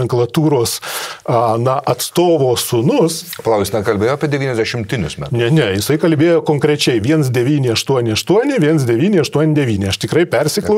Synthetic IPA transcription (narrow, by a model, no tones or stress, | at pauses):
ɛŋklˠɐt̪uːɾoːs | nɐʔɐt̪st̪oːʋoːsʊnʊspɐlˠɐʊkʲːsʲnʲɛkɐlʲbeːjoːɐpʲiɛdʲɛʋʲiːnʲɛzʲd̪ʲæʃʲɪmʲt̪ʲɪnʲʊsmʲæ̰tnʲɛnʲɛjɪsɐɪkɐlʲbʲeːjoːkoːŋkɾʲɛt͡ʃʲɛɪʋʲiɛns̬d̪ʲɛʋʲiːnʲɪɐʃt̪uɔnʲɪɐʃt̪uɔnʲɪʋʲiɛnsd̪ʲɛʋʲiːnʲɪɐʃt̪uɔnʲɪd̪ʲɛʋʲiːnʲɪɐʃt̪ʲɪkɾɐɪpʲɛrʲsʲɪklˠɐʊ